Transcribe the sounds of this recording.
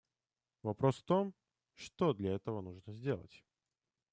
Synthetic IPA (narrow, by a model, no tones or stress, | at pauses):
vɐpɾosft̪o̞m | ʂt̪od̪lʲɐɛt̪əvənuʐnəzʲdʲe̞lˠə̰tʲ